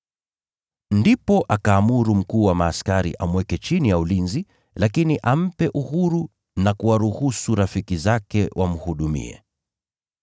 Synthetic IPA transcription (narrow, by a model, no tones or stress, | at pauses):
ndipɔʔakaːmuɾum̩kuːwamaːskaɾḭʔamwɛkɛt͡ʃinijaulinzi | lakiniʔam̩pɛʔuhuɾu | nakuwaɾuhusuɾafikizakɛwʔam̩huɗumḭɛ̰